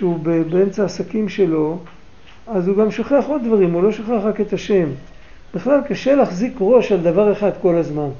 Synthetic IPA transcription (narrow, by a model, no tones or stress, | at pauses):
ʃeubebeemt͡saːsakimʃe̞lo̞ | azuɡamʃoχeaχo̞d̪d̪vaʁimulo̞ʃoχeaχʁaket̪aʃe̞m | b̥eχlalkaʃe̞laχzikʁo̞ʃald̪avaʁeχad̪ko̞lazman